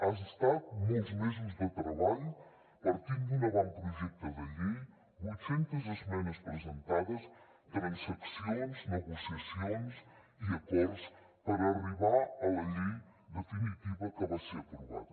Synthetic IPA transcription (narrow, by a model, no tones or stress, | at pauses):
azəst̪at̪̚molzmezimzðət̪ɾəβaʎ | pəɾt̪inɡ̪inəβɔmpɾuʒɛk̚t̪əðəʎi | busent̪əzəzmɛnəspɾəzənt̪aðəs | t̪ɾensəksionznəɣusiəsions | iət̪ɛɾs | pəɾəriβaələʎi | d̪əfinit̪iβəkəβasepɾuβa̰ð